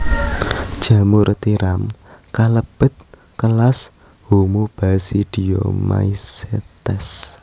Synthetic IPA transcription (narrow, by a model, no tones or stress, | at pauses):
d̥ʒ̥a̤muɾt̪iɾamkaləb̥ə̤t̪̚ | kəlas | humub̥asid̥ijo̰ma̰iset̪ɛs